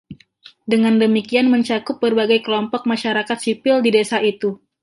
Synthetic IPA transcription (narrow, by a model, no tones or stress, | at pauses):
dəŋandəmikianməɲt͡ʃakʊp̚bərbaɡajkəlɔmpɔk̚maʃaɾakat̪sipɪldidesait̪u